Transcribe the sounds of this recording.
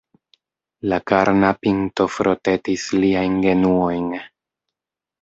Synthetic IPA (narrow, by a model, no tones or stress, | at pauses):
lakaɾnapinto̞fɾʔo̞te̞tisliajnɡe̞nuo̞jn